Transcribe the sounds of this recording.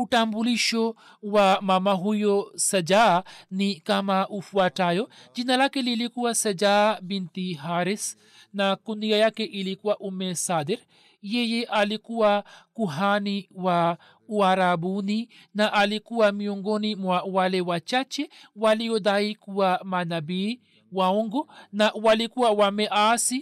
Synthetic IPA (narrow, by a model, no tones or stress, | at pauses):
uʈambuliʃo | wamamaɦujosɐd͡ʒanikamaʔufuaʈajod͡ʒinalakelilikuwasɐd͡ʒaːbint̪iɦaːɾis | nakuniɡajakeʔilikuaʔumesad̪eɾ | jejeʔalikuakuɦaniwa | uaɾabuni | naʔalikuamioŋɡonimwawalewat͡ʃat͡ʃewalijod̪ajkuamanabi | waoŋɡonaʔwalikuawameʔasi